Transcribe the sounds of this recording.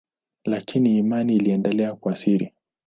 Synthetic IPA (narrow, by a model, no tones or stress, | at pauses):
lakiniːmaniːliɛndɛlɛakuasiɾḭ